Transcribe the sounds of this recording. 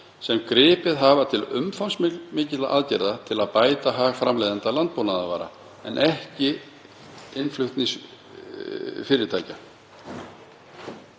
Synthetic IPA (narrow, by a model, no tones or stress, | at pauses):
sɛmkɾɪːpɪðɦavat̪ʰɪlʏ̰mfansmɪklmɪːcɪt̪la̰ʔaðcɛɾðat̪ʰɪlaðpaːjt̪aɦaɣfɾamlejðant̪alant̪̚poːwnaðavaːɾa̰ | ɛnʔɛhcɪ | ɪnflʏxt̪niŋs | fɪːɾɪɾt̪ʰaːjca